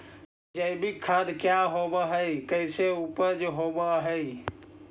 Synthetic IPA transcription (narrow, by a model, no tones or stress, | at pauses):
d͡ʒəjbʱikʰːad̪kjaɦobəɦəjkəɪseupəd͡ʒɦobəɦəj